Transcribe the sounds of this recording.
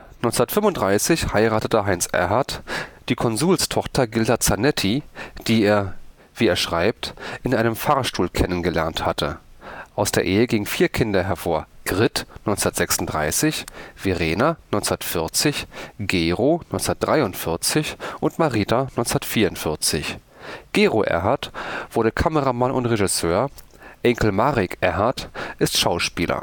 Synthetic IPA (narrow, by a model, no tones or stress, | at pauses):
nɔʏnsɛndɐtfʏmvʊnd̥ʁaɪsɪçhaɪʁaːtətəɦaɪnsʔɛ̰ɐɦatd̥iːkʰɔnzuːlstʰɔχtʰɐɡɪldaɐtt͡sanɛtʰid̥iːeːɐ | v̥iːeːɐʃʁ̥aɪp̚tʔɪnʔaɪnəmfaɐʃtuːlkʰɛnənɡəlɛ̰ɐnthatʰəʔaʊsd̥eːɐʔeːəɡɪŋənfiːɐkʰɪndɐɦɛɐfoːɐɡ̥ʁɪtnɔʏnt͡sɛndɐtz̥ɛksʊn̩td̥ʁa̰ɪsɪçv̥eʁeːnanɔʏnt͡sɛndɐtfɪɐt͡sɪçɡ̥eːʁonɔʏnt͡snɐd̥ʁaɪʊntfɪɐt͡sɪçʔʊntmaʁiːtanɔʏnt͡snɐtfiːɐʊntfɪɐt͡sɪ̰ç | ɡ̥eːʁoʔɛ̰ɐɦaɐtv̥ʊɐɾdəkʰaməʁamanʔʊntʁeʒɪsøːɐ | ʔɛŋkl̩maʁɪkʰʔɛɐɦaɐtʔɪstʃaʊʃpiːlɐ̰